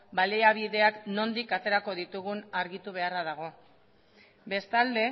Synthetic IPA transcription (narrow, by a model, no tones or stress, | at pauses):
baleaβ̞iðe̞akno̞nd̪ikat̪e̞ɾako̞ðit̪uɣ̞unaɾɣit̪uβ̞e̞araðaɣ̞o̞ | be̞st̪ald̪e̞